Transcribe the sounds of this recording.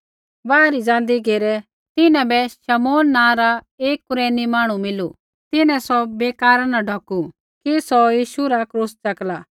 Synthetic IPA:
baːɾid͡zãːnd̪iɡeːɾɛ | t̪ɪnɛ̃bɛʃɐmoːnːãːɾa | eːkːʊɾeːnimaːɽ̃umɪlu | t̪ɪnɛ̃sɔbeːkaːɾanaɖʱɔku | kisɔjiːʃuɾakɾuːst͡ʃɐklaː

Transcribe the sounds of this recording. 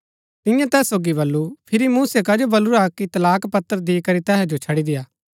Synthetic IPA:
t̪ɪ̃jãt̪ɛːsːoːɡibɐlːupʰɪɾimuːsekad͡ʒobɐluɾakit̪ɐlaːkpɐt̪ːəɾd̪ikɐɾit̪ɛːɦɛd͡ʒot͡ʃʰɐɽid̪ɪjaː

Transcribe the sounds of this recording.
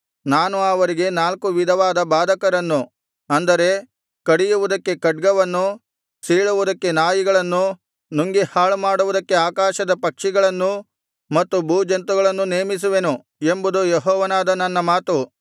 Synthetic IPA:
naːnuɐʋɐɾiɡe̞naːlkuʋid̪ʱɐʋaːd̪ɐbaːd̪ʱɐkɐɾɐnːu | ɐnd̪ɐɾe̞ | kɐɽijuʋud̪ɐkːe̞kɐɖ̚ɡɐʋɐnːu | siɭuʋud̪ɐkːe̞naːjiɡɐɭɐnːu | nuŋɡihaːɭmaːɽuʋud̪ɐkːe̞aːkaːʃɐd̪ɐpɐkʂiɡɐɭɐnːu | mɐt̪ːubʱuːd͡ʒɐnt̪uɡɐɭɐnːuneːmis̬uʋe̞nu | e̞mbud̪ujeɦɔːʋɐnaːd̪ɐnɐnːɐmaːt̪u

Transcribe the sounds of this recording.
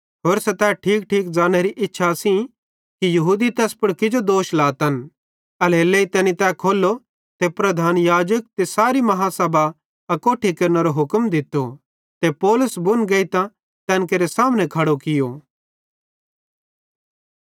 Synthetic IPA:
ɦoːɾsɛt̪ɛʈʰiːkʈʰiːk̚d͡ʒaːñeɾiʔɪtːʃʰasĩ | kijɐɦuːd̪it̪ɛːspʊɽkɪd͡ʒod̪oːʃlaːt̪ɐn | ɐleleit̪ɛːnit̪ɛːkʰoːlːo | t̪epɾɐd̪ʱaːnjaːd͡ʒək̚t̪esaːɾimɐɦaːsɐba | ɐkoːʈʰikɐɾneɾoɦʊkmd̪ɪt̪ːo | t̪epɔːlʊsbʊnɡɐit̪ã | t̪ɛ̃ːnkeɾesaːmnɛ̃kʰɐɽokɪjo

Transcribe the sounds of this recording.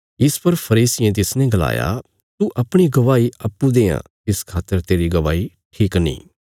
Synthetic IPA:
ɪspɐɾpʰɐɾiːsɪẽt̪ɪsneɡɐla̰ːja̰ | t̪uʔɐpɽ̃iɡɐʋaːiɐpːud̪ẽːã̰ː | ɪskʰaːt̪ːəɾt̪eːɾiɡɐʋaːi | ʈʰiːknḭ̃ː

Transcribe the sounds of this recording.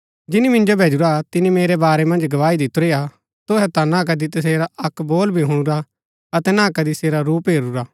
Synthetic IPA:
d͡ʒɪnimɪ̃nd͡ʒobʱeːd͡ʒuɾat̪ɪnĩmeːɾɛbaːɾɛmɐ̃nd͡ʒɡɐʋaːid̪ɪt̪ʊɾeja | t̪ʊɦɛt̪anak̬ɐd̪it̪ɐs̬eːɾaʔɐkboːlbʱiɦʊ̃ɽ̃ʊɾa | ɐt̪ɛnãkɐd̪iseːɾaɾuːpɦeːɾuɾaː

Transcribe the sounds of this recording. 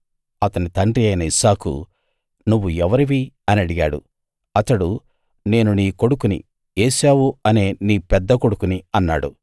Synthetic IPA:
ɐt̪ɐnit̪ɐɳɖɾiɐjnɐisaːkṵ | nuʋːuɛʋɐɾiʋiɐnɐɽiɡa̰ːɽṵ | ɐt̪ɐɽu | ne̞ːnuniːko̞ɽukunḭ | eːʃaːwuɐne̞ːniːpɛd̪ːɐko̞ɽukuniɐnːa̰ːɽṵ

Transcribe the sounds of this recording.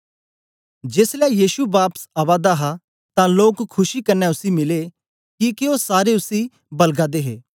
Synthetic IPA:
d͡ʒeːslɛjiːʃuʋaːpəsaːʋaːd̪aɦa | t̪ãloːkkʰːʊʃikɐɾnɛʊsimɪle | kikeoːsaːɾeʊsi | bɐlɡaːd̪eːɦeː

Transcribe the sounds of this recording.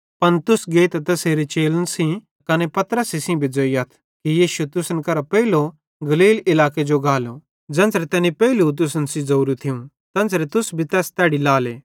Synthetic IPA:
pɐnt̪ʊsɡeːt̪t̪ɐseːɾet͡ʃeːlənsĩ | kɐnɛpɐt̪ɾəsisĩbʱid͡zoiɐt̪ʰ | kijiːʃut̪ʊsənkɐɾapɛɪlo | ɡɐliːlɪlaːked͡ʒoɡaːlo | d͡ʒɛ̃ːnsɾɛt̪ɛːnipɛɪlut̪̬ʊsənsĩzɐuːɾut̪ʰɪũ | t̪ɛ̃ːnsɾɛt̪ʊsbʱit̪ɛːst̪ɛːɽilaːleː

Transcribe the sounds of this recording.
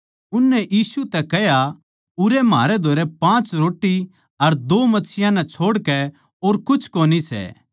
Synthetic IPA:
ʊnːɛʔiːsut̪ɛkɛɦja | ʊɾɛma̰ːɾɛd̪ʱoːɾɛpãːt͡ʃɾoːʈːi | ɐɾd̪oːmɐtːsʰɪjãnɛ̃t͡ʃʰoːɽkɛ | oːɾkʊt͡ʃʰkoːnisɛ̰ː

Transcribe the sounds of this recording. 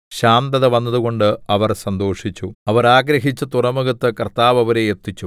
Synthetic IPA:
ɕaːnt̪ɐðɐʋɐnːɐðuɣo̞ɳɖɨɐʋɐrsɐnd̪o̞ːʂit͡ɕːuɐʋɐɾaːɡɾɐɦit͡ɕːɐt̪urɐmuɡɐt̪ːɨkɐrt̪ːaːʋɐʋɐɾejet̪ːit͡ɕːu

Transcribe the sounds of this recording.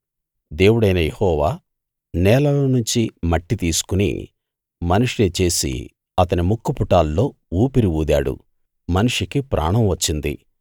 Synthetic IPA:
d̪e̞ːwuɽɐjnɐjehɔːʋaː | nɛːlɐlɐnuɲt͡ʃimɐʈːit̪iːsu̥kunḭ | mɐnuʂinit͡ʃe̞ːsḭ | ɐt̪ɐnimukːupuʈaːlːo̞ː | uːpiɾiuːd̪a̰ːɽṵ | mɐnuʂikipɾʔa̰ːɳɐmʋɐt͡ʃːind̪ḭ

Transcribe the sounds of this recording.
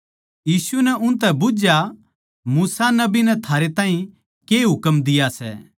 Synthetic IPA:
jiːsunɛʔʊ̃nt̪ɛbʊd͡ʒja | muːsanɐbinɛt̪ʰaːɾet̪ãːĩ | keːɦʊkəmd̪ɪjasɛ̰ː

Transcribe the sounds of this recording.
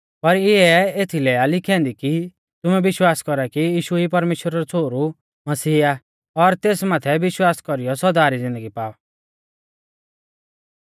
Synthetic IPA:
pɐɾɪɛeːt̪ʰilɛalɪkʰɛ̃ːnd̪iki | t̪ʊmɛbɪʃwaːskɔɾakijiːʃuipɐɾmeːʃwəɾaɾut͡sʰoːɾu | mɐsiːa | ɔɾt̪eːsmaːt̪ʰɛʋɪʃwaːskɔɾijɔsɔd̪aːɾid͡zɪ̃nd̪əɡipaːɔ

